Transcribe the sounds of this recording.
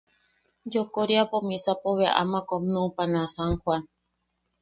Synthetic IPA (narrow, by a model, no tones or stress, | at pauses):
d͡ʒokoɾiapomĩsapoβea̰ʔa̰mãkomnũpanãsaŋhwan